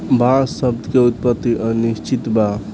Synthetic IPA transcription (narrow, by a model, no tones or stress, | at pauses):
basəb̚d̪ʱkeut̪̚pət̪ːiʔənist͡ʃit̪ba